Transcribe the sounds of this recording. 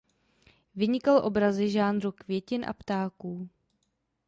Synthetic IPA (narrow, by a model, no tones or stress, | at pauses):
vɪɲɪkalʔo̞bɾazɪʒaːnɾukvjɛcɪnʔa̰pt̪aːkuː